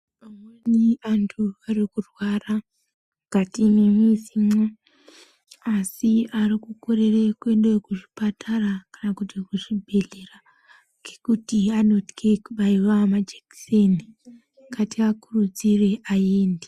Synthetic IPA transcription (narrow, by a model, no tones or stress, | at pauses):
ameniantʰuarikurwara | ɡ̥ʱatimemisimo | asiaɾikukoɾe̞rekwenɗekuʐi̥patarakanakutikuʐibʱe̞ɮera | ɡekutiano̞ti̥kʰekuɓaiwamad͡ʒeki̥seni | kʰatiakurud͡zire̞ʔaje̞ːnde